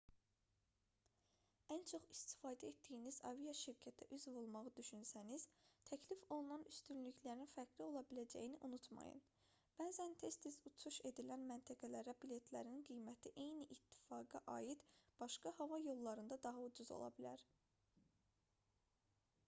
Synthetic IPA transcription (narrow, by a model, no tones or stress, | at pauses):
ænt͡ʃʰo̞χist̪i̥fɑːd̪æe̞t̪d̪ijinizɑ̰vijɑʃiɾcʰæt̪ʰæʔyzvo̞lˠmɑʁɯd̪yʃynsæniz̥t̪ʰæcʰlifo̞lˠunɑnyst̪ynlyclæɾinfæɾɡlio̞lˠɑbilæd͡ʒæ̰jiniʔunut̪mɑ̰jɯ̰n | b̥æːzænt̪ʰe̞st̪izut͡ʃʰuʃe̞d̪ilænmænt̪ʰæɡælæɾæbilʲe̞t̪ʰlæɾinɡijmæt̪ʰiʔe̞jniʔːt̪ʰːi̥fɑːɡɑʔɑ̰ːjid̪b̥ɑʃkɑhɑvɑjo̞lˠːɑɾɯnd̪ɑd̪ɑɦɑud͡ʒuzo̞̰lˠɑ̰bilæ̰ɾ